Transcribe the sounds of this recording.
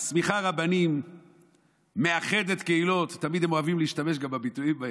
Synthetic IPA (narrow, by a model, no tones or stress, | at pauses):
smiχaʁabanim | e̞aχe̞d̪e̞t̪keilo̞t̪ːamid̪emoavimleiiʃtame̞ʃ̬ɡambabituimba